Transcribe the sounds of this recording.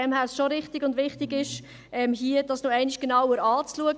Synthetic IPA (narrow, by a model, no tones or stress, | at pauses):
ɛmhæːɾsʃoɾɪχtiɡʊndʋɪχtɪɡɪʃ | ʔɛmɦiədɑsnoɛɪnɪʃɡ̥enɑwəɾɑːt͡sluəɡ